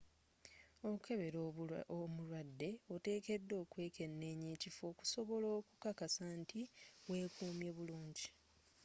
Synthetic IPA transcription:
o̞ukʰe̞βe̞ɾoomulwadːe̞ote̞ːke̞dːo̞ːkwe̞ːke̞nːe̞ːɲeːcifo̞ːku̥so̞βo̞lo̞ːku̥kakasantiwe̞ːkuːmje̞βuluːɲɟi

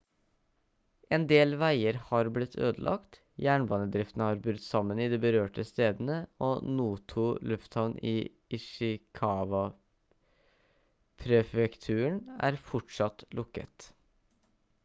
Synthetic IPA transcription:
ʔɛnd̪eːlʋæɪəɾhɑɾblɪt̪ʰːø̰ːd̪əlʔɑ̰kt̪ | jæːɳbɑːnəd̪ɾɪft̪ənəhɑɾbɾʉt̪ːsɑmːənɪd̪ɛbəɾøːʈəst̪eːd̪ənəoːnuːt̪ʰʊlʉft̪hɑʋnʔɪ | ɪʂɪkʰɑːʋɑ | pʰɾɛfɛkt̪ʰʉːəɳæ̰ːɾfɔʈʂɑt̪lʔʊkːə̰t̪

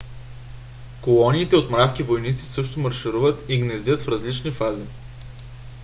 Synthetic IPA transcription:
kolˠɔniːt̪ɛot̪mɾafkivojnit̪si̥sɤʃt̪omɐɾʃɪɾuvət̪iɡnɛzʲət̪fɾɐzlit͡ʃnifazi

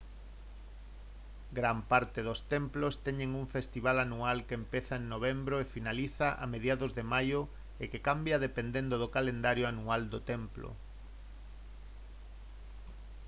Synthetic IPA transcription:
ɡɾampaɾt̪ɪðʊst̪emplost̪ɛɲeŋuɱfest̪iβ̞alanualkempeθaeŋnoβ̞embɾoefinaliθaʔa̰meðjaðozðemajʊ | ekekambjaðepend̪end̪ʊðokalend̪aɾjoanuald̪ot̪emplo̰

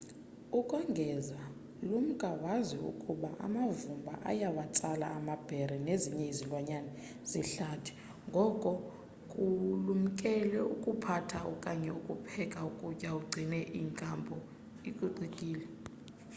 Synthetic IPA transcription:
ukʼwaŋɡʱɛza | lum̩kʼawaziṵkʼuɓaʔa̰mavumbʱa̰ʔa̰jawat͡sʼala̰ːmab̥ʱɛɾɛneziɲɛizilwaɲanɛ | ziɬatʰi̥ | ŋɡʱɔkʼɔ | kʼulum̩kʼɛlɛukʼupʰatʰaɔkʼaɲɛukʼupʰɛkʼaukʼucʼauɡ͡ǀʱinɛʔiŋkʼambʱɔ | ikʼuǀikʼiːlɛ

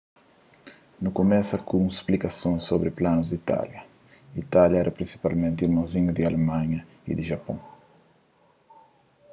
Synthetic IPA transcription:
nukomɛsɐkũsplikasõsobɾɪplãnʊzd̪it̪a̰ljɐ | it̪aljɐɛɾɐpɾĩnsi̥palmẽnt̪ɪiɾmɐ̃w̃ziɲud̪ɪalemãɲɐ | ḭd̪ɪʒapõ

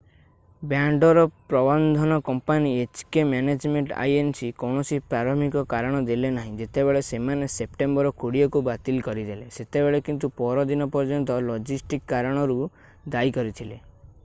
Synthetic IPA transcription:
bjaɳɖɔɾɔpɾɔbɔnd̪ʱɔnɔkɔmpaniet͡ʃkemaned͡ʒmeɳʈa̰jensikɔwɳ̃ɔsipɾaɾɔmikɔkaɾɔɽ̃ɔd̪ilenaɦĩd͡ʒet̪ebeɭesemanesep̚ʈembɔɾɔkuɽijɔkubat̪ilkɔɾid̪ʱeleset̪ebeɭekint̪upɔɾɔd̪inɔpɔɾd͡ʒɔnt̪ɔlɔd͡ʒisʈikːaɾɔɽ̃ɔɾu | d̪aikɔɾit̪ʰile

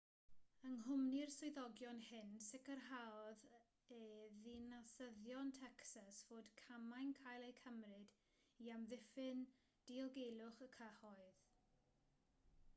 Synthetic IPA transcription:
əŋɦʊmnirsʊɨðɔɡjɔnhɪnsɪkərɦawɔð | eðinasəðjɔntʰɛksasvoːd̥kʰamajnkʰajlˠejkʰəmrɪd | iamðɪfɪn | d̥ilˠɡejlˠʊχəkʰəhɔɨð

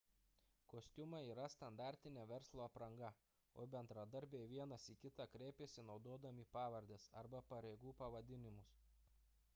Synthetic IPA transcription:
koːsʲt̪ʲʊmɐiːɾɐst̪ɐnd̪ɑːˑɾʲt̪ʲɪnʲɛːʋʲɛɾslˠoːɐpɾɐŋɡɐ | oːbʲɛnd̪ɾɐd̪ɐɾʲbʲeːʋʲiɛnɐsiːkʲɪt̪ɑkɾʲɛɪpʲeːsʲɪnɒʊd̪oːd̪ɐmʲiːpɑːʋɐɾʲd̪ʲeːsɐ̰ɾbɐpɐɾʲeɪɡuːpɐʋɐd̪ʲɪnʲɪmʊs

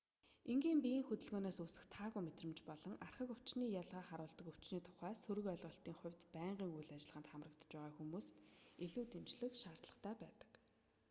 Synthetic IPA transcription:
eŋɡiːmpijiːŋxɵt̪ɵ̆ɮɣoːnaːsusɘ̆xt̪ʰaːɣujmet̪rə̆mt͡ɕpɔɮɞ̆ŋarχə̆kɵ̥t͡ɕniːjaɮʁaːχaɾʊːɬt̪ɞ̆kɵ̥t͡ɕniːt̪ʰʊ̥χæːsɵɾɵ̆kœɮʁɞ̆ɬt̪iːŋχʊ̟wʲt̪pæːɴɢiːŋujɮat͡ɕɪ̆ɮʁə̆nt̪χamrə̆kt̪ə̥̆t͡ɕpæːʁaːxumuːst̪eɮuːt̪emt͡ɕɮɘ̆xʃaːr̥t̪ɮə̆χt̪ʰæːpæːt̪ə̥̆k

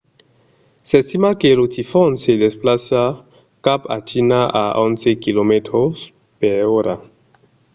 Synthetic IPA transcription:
sest̪imakelutifonsed̪esplasa | kapa̰t͡ʃinaʔaont͡sekilometɾos | peoɾa

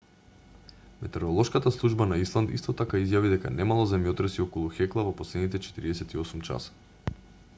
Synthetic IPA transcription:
mɛt̪ɛɾɔlˠɔʃkat̪aslˠuʒbanaislˠant̪ḭst̪ɔt̪akaizjavid̪ɛka̰nɛmalˠazɛmjot̪ɾɛsiɔkɔlˠuxɛklˠavopɔslɛd̪nit̪ɛt͡ʃɛt̪iɾiɛsɛt̪iɔsumt͡ʃa̰sḁ

